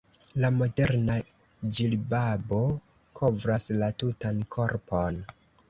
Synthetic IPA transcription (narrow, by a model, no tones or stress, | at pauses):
lamo̞de̞ɾna | d͡ʒilbabo̞ | kʰo̞vɾaslatutankʰo̞ɾpʰo̞n